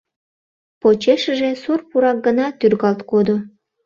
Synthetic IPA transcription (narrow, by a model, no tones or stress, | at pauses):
pot͡ɕeʃəʒesorpuɾɑk̚ɡənɑt̪yrɣɑlt̪kod̪o